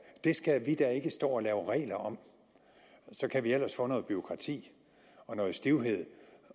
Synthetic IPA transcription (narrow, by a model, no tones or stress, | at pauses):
d̥e̝sɡ̥æʋid̥æe̝ɡ̥əsd̥ɔ̰ːɒ̽lɛːʊʁɛ̰ːlɐɒ̽m | sɒ̽kʰæʋiel̰ɐsfɔ̰̽nɔ̽ːðˠb̥yo̝kʰʁɑ̈t͡sʰḭː | ɒ̽nɔ̽ːð̩ˠsd̥iʊɦe̝ð̞̰ˠ